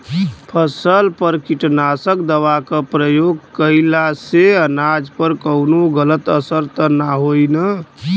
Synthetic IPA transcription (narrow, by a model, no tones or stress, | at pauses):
pʰəsəlpəɾkiʈnasəkd̪əʋakəpɾəjoɡkəɪlaseənad͡ʒpəɾkəʊnoɡələt̪əsəɾt̪ənaɦojnə